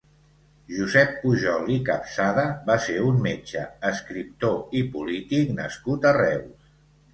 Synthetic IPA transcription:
ʒuzɛpːuʒɔlˠikapsaðəbaseunmet͡ʃəəskɾip̚t̪oipulit̪iknəskut̪ərɛw

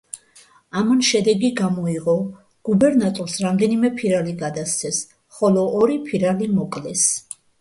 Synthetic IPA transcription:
amanʃɛd̪ɛɡiɡamɔiʁɔ | ɡ̥ubɛɾnat̪ʼɔɾsɾamd̪ɛnimɛpʰiɾaliɡad̪at̪st̪sʰɛs | χɔlɔʔːɾipʰiɾalimɔkʼlɛs

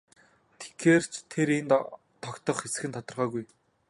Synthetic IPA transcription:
t̪ʰe̥xeːr̥t͡ɕʰt̪ʰeɾen | t̪ʰɔkt̪ɞ̆χxesɘ̆xɘ̆nt̪ʰɔt̪ɞ̆rʁœːɣuj

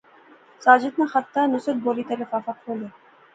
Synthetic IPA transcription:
sad͡ʑit̪naxat̪ːanusod̪̚bolit̪aɾefafakhole

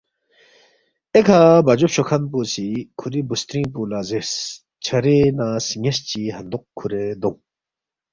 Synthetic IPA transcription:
ekʰabɐd͡ʑopɕokʰɐnpusikʰuɾibust̪ɾĩːpulaːzes | t͡ɕʰɐɾenaːsiŋest͡ɕiɦɐnd̪uqkʰːuɾed̪uŋ

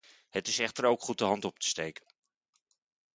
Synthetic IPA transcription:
hətɪsɛχtəɹowkχut̚dəɦɑntɔp̚tə̥stejkə̥n

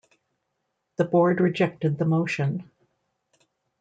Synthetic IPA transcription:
ðɨbɔɹd̚ɹɨd͡ʒɛk̚tɨd̪̚ðəmoʊʃɨ̃n

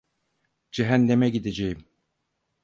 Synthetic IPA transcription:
d͡ʒɛɦænːɛmɛɡid̪ed͡ʒejim

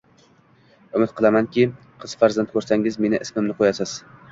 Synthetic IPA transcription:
ʊmɪt̪qʰɨlˠamankʲɪ | qʰɨz̥faɾzant̪̚kʰɵɾsaŋɪzme̞nɪʔɪsmɪmnɪqʰojasɪz̥

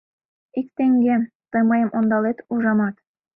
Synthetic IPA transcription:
ikt̪eŋɡʲe | t̪ɤ̆jmɑjɤ̆mʔond̪ɑlˠet̪uʒɑmɑt̪

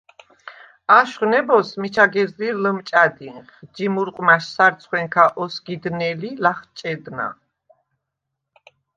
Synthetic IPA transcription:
aʃχwnɛbɔsmit͡ʃʰaɡɛzliɾləmt͡ʃʼad̪inχd͡ʒimuɾqʼmaʃsaɾt̪sʰχwɛŋkʰaʔɔsɡid̪nɛlilaχt͡ʃʼɛd̪na̰

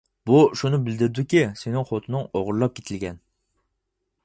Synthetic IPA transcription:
buʃunɪbɪld̪ɪɾd̪ɪkʲisenɪŋχot̪ʰɨnɪŋoʁʊɾlˠɑp̚kʲʰet̪ʰɪlɡʲɛn

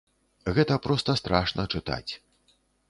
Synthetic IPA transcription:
ɣɛt̪ɐpɾɔst̪ɐst̪ɾaʂnɐt͡ʂɨt̪a̰t͡sʲ

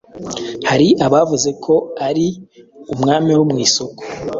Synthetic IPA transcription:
haɾiʔaβavuze̞kʰo̞aɾiumŋaːmiwumŋiːso̞ko

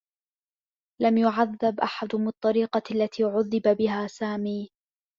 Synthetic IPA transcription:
lamjʊʕaðːabʔaħad̪mɨt̪ˤːɑɾiːqɑlːat̪ʰiːʕʊðːɪbabɪɦaːsaːmiː

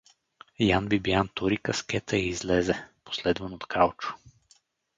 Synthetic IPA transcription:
janbibjant̪uɾikɐskɛt̪ʰəiːzlɛzɛpo̥slɛd̪vɐnot̪kʰalˠt͡ʃʊ̥

